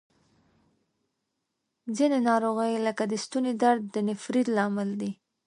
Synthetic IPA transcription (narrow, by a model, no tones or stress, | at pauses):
zinenɑɾoɣəjləkad̪əst̪uned̪aɾd̪ːənɪfɾid̪lɑmɪld̪i